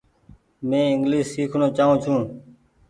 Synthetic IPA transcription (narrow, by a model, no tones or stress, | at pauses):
mẽːɪŋɡliːssiːkʰnoːt͡ʃaːɦũːt͡ʃʰũː